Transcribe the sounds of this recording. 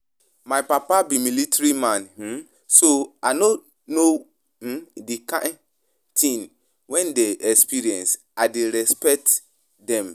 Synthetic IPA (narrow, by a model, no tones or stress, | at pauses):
majpapabimilitaɹimãn̩ | soano | no | dekã | tʰĩn | wɛ̃ndeʔɛkspiɹiɛ̃ns | aɪdeɹɛspɛk̚t | dɛ̃m